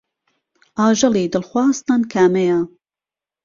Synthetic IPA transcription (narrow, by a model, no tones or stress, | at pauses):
ʔɑːʒɐliːd̪ɨlxwɑːst̪ɐnkʰaːmeja